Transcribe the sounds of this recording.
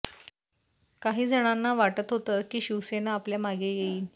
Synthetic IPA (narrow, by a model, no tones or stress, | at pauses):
kaɦiːd͡zʱəɽ̃anːaʋaʈət̪ɦot̪əkiːɕiʋsenaːpljamaɡejeiːl